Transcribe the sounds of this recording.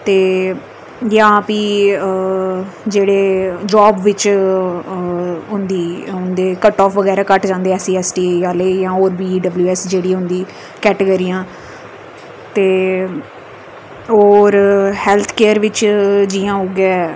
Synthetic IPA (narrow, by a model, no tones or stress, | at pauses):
t̪eː | jãːpiː | d͡ʒeːɽeːd͡ʒɔːbʋɪt͡ʃ | ʊnd̪iːʊnd̪eːkəʈɔːfʋəɡɛːɾaːkəʈd͡ʒãːnd̪eːɛːsiːɛːsʈiːjaːleːjãːɦoːɾbiːɖəbljuːɛːsd͡ʒeːɽiːɦʊ̃nd̪iː | kɛːʈeːɡəɾiːãː | t̪eː | oːɾhɛːlt̪ʰkeːəɾʋɪt͡ʃd͡ʒiːãːɦoːɡɛː